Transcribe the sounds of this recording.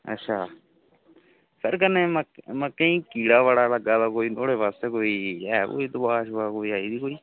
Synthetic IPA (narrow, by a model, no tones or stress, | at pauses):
ə̰tːʃʰaː | səɾkəneːməməkəĩːkiːɽaːʋaːɽaːləɡaːt̪aːkoːiːnoːɽeːʋaːst̪eːkoːiːɛko̰ːiːd̪ʊbaːʃbakoːiːaːiːd̪iːkoːiː